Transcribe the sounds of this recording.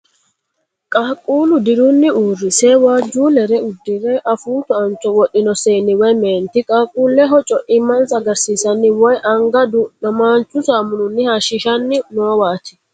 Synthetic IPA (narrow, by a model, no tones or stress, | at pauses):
kʼaːkʼuːlʊd̪ɪɾunːɪuːrːɪseːwaːd͡ʒːuːlɛɾɛʊd̪ːɪɾɛʔɐfuːt̪ɔɐnt͡ʃʼːɔwɔɗɪnɔseːnːɪwɛjmeːnt̪ɪkʼaːkʼuːlːɛɦɔt͡ʃʼɔʔɪmːɐnsɐɡɐɾsiːsɐnːɪwɔjʔɐŋɡɐd̪ʊnɐmaːnt͡ʃʼːʊsaːmʊnʊnːɪhaʃɪʃɐnːɪnoːwaːt̪ɪ̥